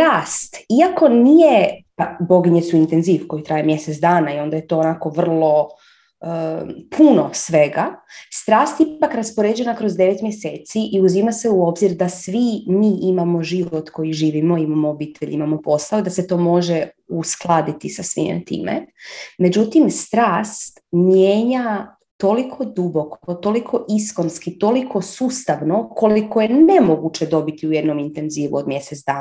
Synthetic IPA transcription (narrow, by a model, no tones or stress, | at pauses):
ɾaːst̪iako̞nijepabo̞ɡiɲet̪suint̪enziʋko̞jit̪ɾaːjemje̞set̪d̪aːnaio̞nd̪aje̞t̪o̞onako̞ʋr̩lˠo̞ | əpʰuno̞sʋe̞ɡast̪ɾaːst̪ipakɾaspo̞ɾed͡ʑe̞nakɾo̞zd̪e̞ʋet̪mje̞se̞ːt̪siʔiuzimase̞uo̞bziɾd̪asʋimiːʔimamo̞ʒiʋot̪ko̞jiʒiːʋimo̞imamoobiːt̪ʰeʎimamo̞po̞saod̪ase̞t̪o̞ːmo̞ʒe | usklˠad̪it̪isasʋḭm̰t̪ḭːmḛme̞d͡ʑut̪imst̪ɾaːst̪mjeːɲa | t̪o̞likʰo̞d̪ubo̞kʰot̪o̞likʰo̞ʔisko̞nskit̪o̞likʰo̞suːst̪aʋno̞kʰo̞likoje̞ne̞moɡut͡ʃe̞d̪o̞bit̪iuje̞d̪no̞mint̪e̞nziːʋuod̪mje̞set̪d̪aː